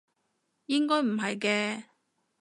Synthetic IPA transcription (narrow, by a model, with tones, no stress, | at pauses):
jɪ˥ŋkɔː˥jm̩˨˩ɦɐ˨jkɛː˧